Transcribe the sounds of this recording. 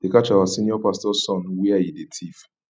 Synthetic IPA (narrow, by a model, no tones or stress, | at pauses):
d̥ekat͡ʃawasĩnjɔpastɔsɔ̃nwɛajidetʰif